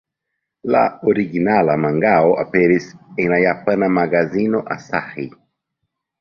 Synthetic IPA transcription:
la̰oɾiɡinalamaŋɡaoʔa̰peɾiseŋlajapanamaɡazinoʔa̰sahi

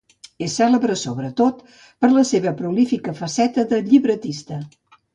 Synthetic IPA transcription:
esɛləβɾəsoβɾət̪ot̪ | pəɾləseβəpɾulifikəfəsɛt̪əðəʎiβɾət̪ist̪ə

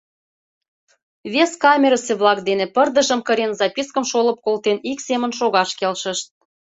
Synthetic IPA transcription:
βeskɑmʲeɾəseβlˠɑkd̪enepərd̪əʒə̆mkəɾenzɑpiskəmʃolə̆p̚kolt̪eniksemənʃoɣɑʃkelʃə̆ʃt̪̚

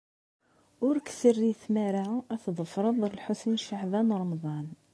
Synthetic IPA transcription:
ʊɾksərːiθmæɾaʕʔæθd̪ˤəfɾˤəðˤəlħʊsnʃaʕbænɾˤɑmd̪ˤɑn

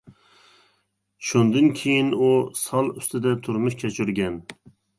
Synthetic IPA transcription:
ʃund̪ɨnkʲʰejinusɑlˠyst̪ɪd̪ɛt̪ʰʊɾmʊʃkʲʰɛt͡ʃʰyɾɡʲɛn

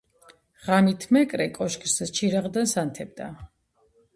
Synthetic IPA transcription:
ʁanit̪ʰmɛkʼɾɛkʼɔʃkʰʼst͡ʃʰiɾaʁd̪ansant̪ʰɛb̚d̪a

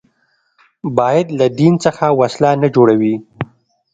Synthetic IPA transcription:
bɑjad̪lad̪insəxawaslanad͡ʒoɽawi

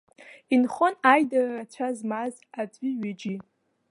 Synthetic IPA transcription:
inχonajdararat͡ɕʷʰazmaz | at͡sʷʼiɥɪd͡ʒi

